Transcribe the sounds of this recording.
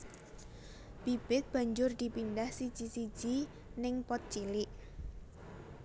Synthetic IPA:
b̥ib̥ɪt̪̚b̥a̤ɲd͡ʒʊrd̪̥ipindahsi̥d͡ʒ̥isi̥d͡ʒ̥i | nɪŋpɔt̪̚t͡ʃilɪʔ

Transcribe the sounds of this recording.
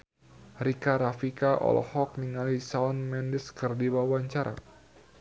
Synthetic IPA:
rikaɾafikaʔɔ̰l̰hɔk̚niŋalisaɔnmɛndɪskɨrdibawaɲt͡ʃaɾʔa̰

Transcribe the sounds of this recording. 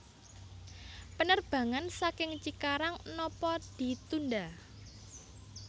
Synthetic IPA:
pənərb̥ä̤ŋansakɪŋt͡ʃikaɾaŋnɔpɔd̪̥i̤t̪unda

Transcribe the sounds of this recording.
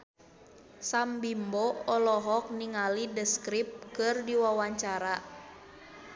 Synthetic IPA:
sambimbɔɔlɔɦɔk̚niŋalidəskɾip̚kɨrdiwawaɲt͡ʃaɾa

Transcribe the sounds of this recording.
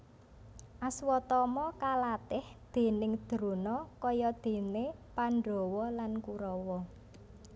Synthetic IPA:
ʔaswɔt̪ɔmɔkalat̪ɪhd̪̥e̤nɪŋd̪̥ɾonɔkɔjɔd̪̥e̤nepanɖo̤wɔlankuɾɔwɔ

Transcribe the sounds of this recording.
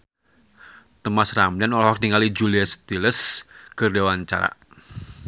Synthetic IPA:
t̪əmasramlanɔlahwak̚diŋalid͡ʒuliast̪iləskərdewaɲt͡ʃa̰ɾa̰

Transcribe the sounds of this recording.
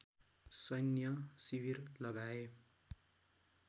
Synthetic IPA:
sʌnjʌsiwirlʌɡae

